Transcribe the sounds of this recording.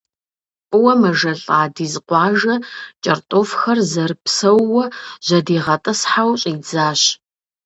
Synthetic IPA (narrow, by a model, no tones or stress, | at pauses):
qʼʊwɐmɐʒɐɬʼaːdiːzɨqʷɑːʒɐt͡ʃʼɐrtʼoːfxɐrzɐrpsɐwːɔʑ̥ɐdiːʁɐtʼɨsħawɕʼid͡zaːɕ